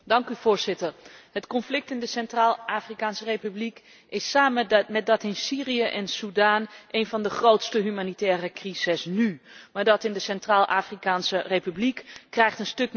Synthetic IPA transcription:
dɑŋkyv̥ʊːɹzɪtərɦətkɔnflɪk̚tɪndəsɛntraːlˠʔaːfrikaːnsərejpyblik | ɪsaːməmɛt̚dɑtɪnsiːrijəʔɛnsudaːnʔejnvɑndəχrowtstəɦymaːnitɛːrəkrizɪsnymaːɹdɑtɪndəsɛntraːlˠʔaːfrikaːnsərejpyblikkːrɛjχtənstɵk

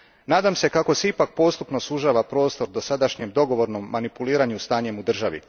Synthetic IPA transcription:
naːd̪amse̞kako̞seipak̚po̞ːst̪upnosuʒaːʋapɾo̞ːst̪o̞ɾd̪o̞sad̪aʃɲemd̪o̞ɡo̞ʋo̞ɾno̞mːanipuliːɾaɲust̪aːɲe̞mud̪r̩ʒaʋḭ

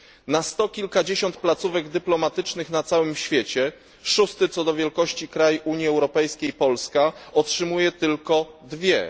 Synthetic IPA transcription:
nast̪ɔkʲilkad͡ʑeɕɔnt̪̚plat̪suvɛɡd̪ɘplɔmat̪ɘt͡ʂnɘxnat̪sawɘmɕfʲjet͡ɕɛ | ʂust̪ɘt̪sɔd̪ɔvʲjɛlkɔɕt͡ɕikɾajʔuɲjiɛwɾɔpɛjskʲejpɔlskaɔtʂɘmujɛt̪ɘlkɔd̪vʲjɛ̰

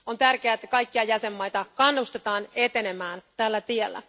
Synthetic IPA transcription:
o̞nt̪ærk̟eæːet̪ːæ̥kɑjkːiɑjæse̞mːɑjt̪ɑkɑnːust̪et̪ɑːne̞t̪e̞ne̞mæːnt̪ælːæt̪ielːæ̰

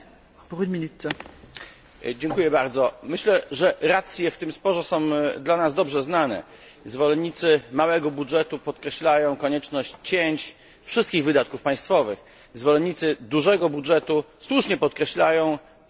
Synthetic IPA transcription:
puʁynmʲinyt̪ | d͡ʑɛŋkujɛbaɾd̪zɔmɘɕlɛʐɛɾat̪sʲjɛft̪ɘmspɔʐɛsɔ̃w̃d̪lanazd̪ɔbʐɛznanɛ̰ | zvɔlɛnɲːit̪sɘmawɛɡɔbudʐɛt̪upɔt̪̚kɾɛɕlajɔ̃w̃kɔɲɛt͡ʂnɔɕt͡ɕt͡ɕeɲt͡ɕ | fʂɘst̪kʲiɣvɘd̪at̪̚kufpaj̃st̪fɔvɘx | zvɔlɛɲit̪sɘd̪uʐɛɡɔbudʐɛt̪u | swuʂɲɛpɔt̪̚kɾɛɕlajɔ̃w̃

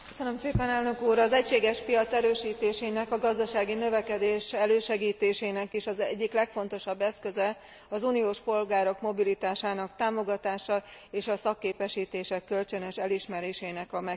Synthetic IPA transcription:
køsønømseːpɛnɛlnø̞kuːɾɒzɛcʃeːɡɛʃpijɒt̪sɛɾøːʃiːt̪eːʃeːnɛkɒɡɒzd̪ɒʃaːɡinøvɛkɛd̪eːʃɛløːʃɛɡiːt̪eːʃeːnɛkiʃɒzɛɟːiklɛkfo̞nt̪o̞ʃɒbːɛskø̞zɛ | ɒzuːnijoːʃpo̞lɡaːɾo̞kmo̞bilit̪aːʃaːnɒkt̪aːmo̞ɡɒt̪aːʃɒeːʃɒsɒkːeːpɛʃiːt̪eːʃɛkːø̞lt͡ʃɛnɛʃɛliʃmɛɾeːʃeːnɛkɒmɛ

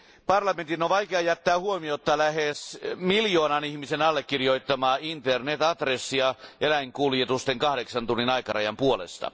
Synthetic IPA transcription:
pɑrlɑment̪inːoʋʋɑikeɑjæt̪ːæːhuomiot̪ːɑlæhesmiljoːnɑnihmisenɑlːekːirjoit̪ːɑmɑːint̪ernet̪ɑt̪resːiɑʔelæiŋkuljet̪ust̪eŋkɑhɾeksɑnt̪unːinɑikɑrɑjɑmpuolḛst̪ɑ̰

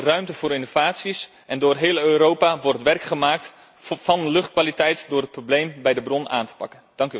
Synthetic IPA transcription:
rœɥmtəvʊːɾɪnovaːtsis | ʔɛndʊːrɦɪːlˠøːɾowpaʋɔrttʋɛrkχəmaːk̚t | vɑnəlɵχt̚kʋaːlitɛjtdʊːrɦət̚problejmbɛjdəbrɔna̰ːntə̥pɑ̰kənd̥ɑŋk

